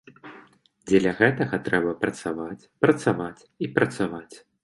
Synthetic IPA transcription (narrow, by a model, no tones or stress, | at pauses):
d͡zʲɛlʲɐɣɛt̪ɐɣɐt̪ɾɛbɐpɾɐt̪savat͡sʲpɾɐt̪savat͡sʲipɾɐt̪savat͡sʲ